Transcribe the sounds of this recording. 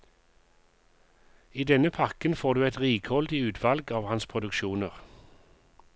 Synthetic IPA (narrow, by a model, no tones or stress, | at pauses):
iːd̪ɛnəpʰɑʁkənfoːʁd̪ʉːɛt̪ʁiːkʰhɔld̪ɪʉːt̪ʰʋɑlɡɑːʋhɑnspʰʁʊd̪ʉkʃuːnəʁ